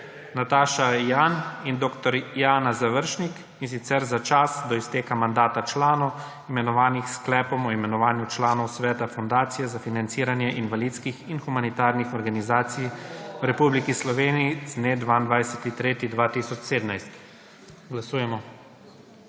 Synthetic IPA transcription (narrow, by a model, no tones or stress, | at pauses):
nat̪aːʃajaːnind̪oːkt̪ɔɾjaːnazaʋəɾʃnik | insit̪sɛɾzat͡ʃasd̪ɔist̪eːkamand̪aːt̪at͡ʃlaːnɔw | imɛnɔʋaːnixsklɛːpɔmɔimɛnɔʋaːnjut͡ʃlaːnɔwsʋɛːt̪afɔnd̪aːt̪sijɛzafinant̪siːɾanjɛʔinʋalid̪skixinxumanit̪aːɾnixɔɾɡanizaːt̪sijwɾɛpublikislɔʋeːniizned̪ʋaːind̪ʋajsɛt̪it̪ɾeːt̪id̪ʋaːt̪isɔt͡ʃseːd̪najst̪ | ɡlasuːjɛmɔ